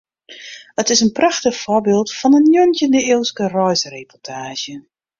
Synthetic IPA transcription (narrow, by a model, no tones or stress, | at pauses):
ətɪsənprɑxtəxfoɹbɪːlˠtfɑnənjøntəndəɪlˠskərɔjzərepɔtʰaːʒjə